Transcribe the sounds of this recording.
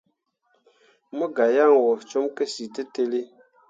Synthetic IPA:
mə˦ɡa˨ja˦˨ŋ˨wɔ˨t͡ʃo˦mkə˦si˨tə˦te˦li˦

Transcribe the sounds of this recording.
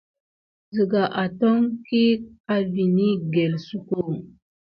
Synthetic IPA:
zi˨ɡa˨ʔa˨to˦ŋki˦ka˦vi˨ni˦ɡe˨lsu˦ko˦˨

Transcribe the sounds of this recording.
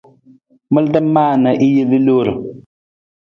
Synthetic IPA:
mɨ˦ldə˦m˦maː˦˨na˨ʔi˦je˦li˦lo˦˨ɾʊ˨

